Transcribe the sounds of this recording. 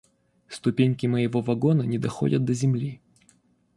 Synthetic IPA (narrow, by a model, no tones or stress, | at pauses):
st̪ʊpʲenʲkʲɪməjɪvo̞vɐɡo̞nənʲɪd̪ɐxo̞̰dʲət̪̚d̪əzʲɪmlʲi